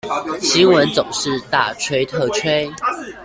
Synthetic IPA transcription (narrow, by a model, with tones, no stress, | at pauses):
ɕi˦˥nwə˨˦nt͡sʊ˨˩ŋʂɻ̩˥˧t̪a˥˩˨ʈ͡ʂʰwe˥ɪt̪ʰɤ˥˧ʈ͡ʂʰwe˥ɪ